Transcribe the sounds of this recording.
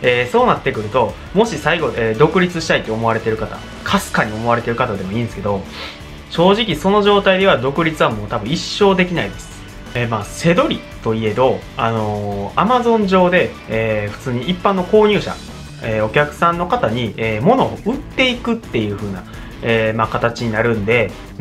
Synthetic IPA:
eːso̞ːnat̪ːe̞kɯ̟ɾɯ̟t̪o̞ | mo̞ɕisaiɡo̞eːd̪o̞kɯ̟ɾʲit͡sɨɕi̥t̪ait̪ːe̞omo̞aɾe̞t̪e̞ɾɯ̟kat̪a̰ | kʰasɨ̥kaɲ̟io̞mo̞aɾe̞t̪e̞ɾɯ̟kat̪ad̪e̞mo̞ĩːnd̪esɨ̥ke̞d̪o̞ | ɕo̞ːʑikʲiso̞no̞ʑo̞ːt̪aid̪e̞β̞ad̪o̞kɯ̟ɾʲit͡sɨβamo̞ːt̪abɯ̟̃iɕːo̞ːd̪e̞kʲinaid̪esɨ̥ | emaːse̞d̪o̞ɾʲi | t̪o̞ie̞d̪o̞ | ano̞amazõ̞ɲd͡ʑo̞ːd̪e̞ː | ɸɯ̟̥t͡sɨːɲ̟iipːãnːo̞ko̞ːɲ̟ɨ̟ːɕa̰ | eːo̞kʲakɯ̟̥sãnːo̞kat̪aɲ̟ieːmo̞no̞ɯ̟t̪ːe̞ikɯ̟t̪ːe̞jɯ̟ːɸɯ̟ːna | emakat̪at͡ɕiɲ̟inaɾɯ̟̃nd̪e̞

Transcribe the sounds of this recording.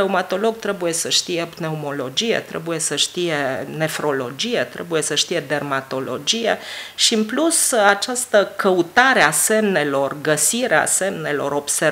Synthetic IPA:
eumat̪o̞lo̞ɡ̚t̪ɾe̞buje̞səʃt̪ijepneumo̞lo̞d͡ʒije̞̰t̪ɾḛbuje̞səʃt̪ije̞ne̞fɾo̞lo̞d͡ʒije̞t̪ɾe̞̰buje̞səʃt̪ije̞d̪e̞rmat̪o̞lo̞̰d͡ʒijḛʃiɨmplusat͡ʃast̪əkəut̪aɾease̞mne̞lo̞rɡəsiɾea̰se̞mne̞lo̞̰ɾo̞bse

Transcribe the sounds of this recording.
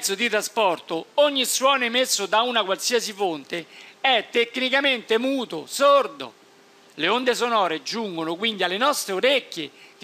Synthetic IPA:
sːod̪it̪ɾaspɔrt̪ooɲːiswɔːnoemesːʊd̪aunakwalsiasifont̪eɛt̪ːekːnikament̪emuːt̪ʊ̰sord̪o̰ | leond̪esonɔːɾed͡ʒuŋɡonʊkwind̪ialːenɔst̪ɾeoɾekːjek

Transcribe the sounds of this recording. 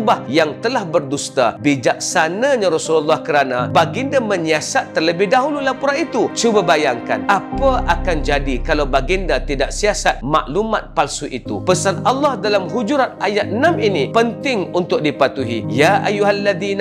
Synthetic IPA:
bahjaŋt̪əlahbərdust̪a̰bid͡ʒak̚sanaɲãɾɔsululːahkəɾanabaɡɪndamə̃ɲiasat̪ːərləbɪhdaɦululapuɾanit̪ut͡ʃubabajaŋka̰nʔapaʔakand͡ʒadikalawbaɡindat̪idaʔsiasat̪̚ma̰ʔlumat̪̚palsuʔit̪ṵpəsanalːɑhdalamɦud͡ʒuɾanajat̪̚ənãminĩpənt̪ɪŋunt̪ʊk̚dipat̪uɦḭjaʔajːuɦalːaðin

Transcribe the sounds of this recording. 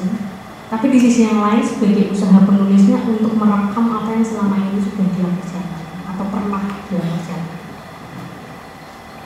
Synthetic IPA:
t̪apidisisijaŋlaɪnsəb̥a̤ɡeusaɦapənulɪsɲaʔunt̪ʊk̚məɾakamat̪ajaŋsəlamainisəb̥a̤hd̪̥ilampərt͡ʃanaat̪awp̪ərnahd̪̥ilampərt͡ʃana

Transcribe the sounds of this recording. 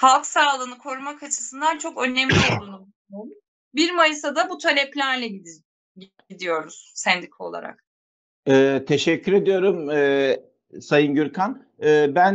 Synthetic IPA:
halˠksaːlˠɯːnɯkʰo̞ɾmakat͡ʃʰɯ̥sɯnd̪ant͡ʃʰo̞kø̞nːɛmlʲiolˠunubu | oɾu | biɾmajɯsad̪abut̪ʰalʲɛplʲæɾlʲɛɟid̪ | ɟid̪ijo̞ɾuz̥sɛnd̪ikʰɛolˠa̰ɾa̰k | ɛːt̪ʰeʃɛcʰːyɾe̞d̪ijo̞ɾumɛː | sajɯnɟyɾkʰan | ɛːbæn

